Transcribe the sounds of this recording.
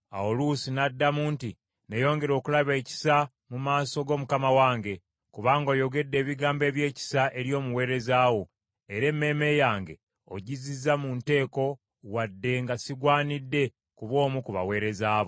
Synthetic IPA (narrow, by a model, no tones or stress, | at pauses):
a̰olusinadːamuːnti | nejo̞ːŋɡe̞ɾo̞ːkulaβe̞ːci̥sa | mumaːso̞ɡo̞ːmukamawaːŋɡe̞ | kuβaːŋɡo̞ːjo̞ɡe̞dːe̞ːβiɡaːmbe̞ːβje̞ːci̥saʔeɾjo̞ːmuwe̞ːɾe̞zaːwo̞ | e̞ɾe̞mːe̞ːme̞ːjaːŋɡe̞ | o̰ɟizizamunte̞ːko̞ | wadːe̞ŋɡasiɡwaːnidːe̞ | kuβo̞ːmukuβa̰we̞ːɾe̞zaːβo